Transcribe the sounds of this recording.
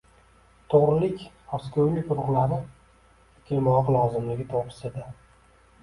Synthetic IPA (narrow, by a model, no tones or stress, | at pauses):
t̪ʰoʁɾɪlɪkʲ | ɒskʲʰojlɪkʲʊɾʊqlˠaɾɪ | kʲʰɪlmɒqlˠɒzɪmlɪɡʲɪt̪ʰopʰɪ̥sɪd̪a